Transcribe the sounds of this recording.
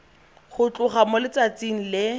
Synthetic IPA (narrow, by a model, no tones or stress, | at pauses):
χʊt͡ɬʼʊχamʊlɪt͡sat͡siŋ̩lɪ